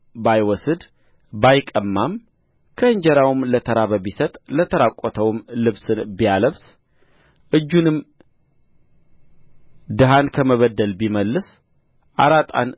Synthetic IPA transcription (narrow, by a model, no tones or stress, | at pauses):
bajwɔsɨd̪ | bajkʼəmːam | kʰəɨɲd͡ʒəɾawɨmlət̪ʰəɾaβəβisət̪ʼlət̪ʰəɾakʼːɔt̪ʰəwmlɨβsɨnbijaləβs | ʔɨd͡ʒːunɨm | d̪ɨɦankʰəməβəd̪ːəlbiməlːɨs | ʔaɾat̪ʼa̰n